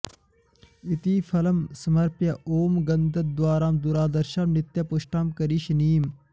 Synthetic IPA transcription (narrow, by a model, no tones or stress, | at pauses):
it̪iːfɐlɐmsɐmɐɾpjɐʔoːmɡɐnd̪ɐt̪̚d̪uwaːɾaːmd̪uɾaːd̪ɐɾʃaːmnit̪ːjapuʃʈaːmkɐɾiːʃniːm